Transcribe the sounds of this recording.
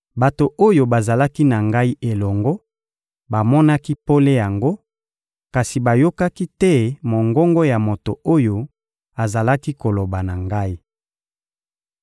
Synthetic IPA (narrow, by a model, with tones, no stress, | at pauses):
ba˨to˨ʔo˦jo˨ba˨za˨la˦ki˦na˨ŋɡa˦i˦ʔe˨lɔ˨ŋɡɔ˦ | ba˨mɔ˦na˦ki˦po˦le˦ja˨ŋɡo˦ | ka˨si˨ba˨jo˦ka˦ki˦tɛ˦mo˨ŋɡɔ˦ŋɡɔ˦ja˨mo˨to˨o˦jo˨ | a˨za˨la˦ki˦ko˨lo˨ba˨na˨ŋɡa˦i˦